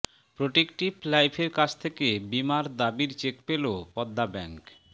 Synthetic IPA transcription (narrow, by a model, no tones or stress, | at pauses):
pɾoʈekʈiflajpʰeɾkat͡ɕʰt̪ʰekebimaɾd̪abiɾt͡ɕekpelopɔd̪ːabɛŋk